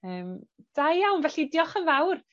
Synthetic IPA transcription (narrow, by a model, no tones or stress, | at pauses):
əːmd̥ajjawnvɛɬidjɔχənvawr